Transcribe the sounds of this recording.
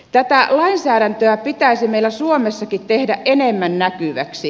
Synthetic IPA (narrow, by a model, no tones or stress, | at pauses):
t̪æt̪ælɑinsæːɾænt̪øæpit̪æisimeilːæsuomesːɑkit̪t̪ehdæʔʔenemːænnækyʋæ̰ksi